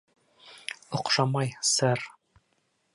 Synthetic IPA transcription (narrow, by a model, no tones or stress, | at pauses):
ŏqʃɑmɑjsɤɾ